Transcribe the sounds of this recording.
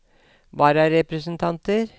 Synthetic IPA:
ʋɑːɾɑɾɛpɾəsənt̪ʰɑnt̪əɾ

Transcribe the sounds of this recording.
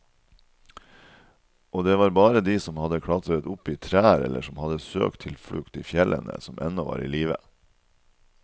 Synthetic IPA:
oːd̪eːʋɑːɾbɑːɾəd̪iːsɔmhɑd̪əkʰɽɑt̪ɾət̪ʊpiːt̪ʰɾæːɾɛlʔəʂɔmhɑd̪əsø̰ːk̚t̪ʰɪlfɽʉkt̪iːfjɛlʔə̰nə̰sɔmʔɛ̰nɔʋɑ̰ːɾḭːliːʋə̰

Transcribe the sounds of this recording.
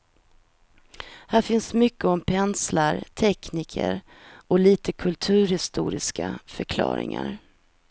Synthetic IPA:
hæːɾfɪnsmʏkːəɔmpʰɛnslaɾt̪ʰɛkniːkʰə̰ɾ | ɔliːt̪əkʰɵlt̪ʰʉ̟ːɾhɪst̪uːɾɪskafœɾkʰlɑ̰ːɾɪ̰ŋaɾ

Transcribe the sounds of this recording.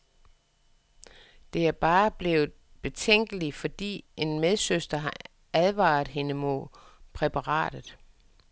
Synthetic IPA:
d̥e̝æɐb̥ɑ̈ːb̥le̝ːʊð̩ˠb̥e̝t͡sʰeŋ̰ɡ̥əlifɒ̽d̥ḭːe̝nmeð̞ˠsøsd̥ɐɦɑ | æð̞ˠʋɑ̰̈ːð̩ˠɦe̝nəmɔpʰʁɛpʰɑ̈ʁɑ̰̈ːd̥ð̩ˠ

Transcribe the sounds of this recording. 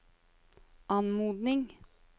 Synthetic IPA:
ɑnmuːd̪nɪŋ

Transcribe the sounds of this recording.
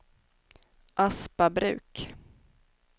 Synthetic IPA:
ʔaspabɾʉ̟̰ːk

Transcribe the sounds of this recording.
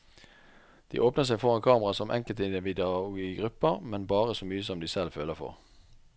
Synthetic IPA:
d̪̥ḭːʔoːpnəʁsæɪfɔʁɑnkʰɑːməʁɑsɔmʔɛ̰ŋkəlt̪ɪd̪əʋɪd̪ɛʊɡiːəɡʁʉpəʁmɛnbɑːʁəsoːmyːəsɔmd̪iːsɛlføːləfɔ̰ʁ

